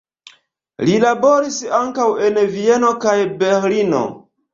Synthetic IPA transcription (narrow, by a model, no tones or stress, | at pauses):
lilabo̞ɾisaŋkawe̞nvie̞no̞kajbeɾlino̞̰